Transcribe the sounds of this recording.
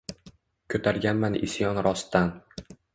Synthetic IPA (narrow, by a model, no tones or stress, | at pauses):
kʰɵt̪ʰaɾɡʲanmanɪ̰sjɒnɾɒst̪an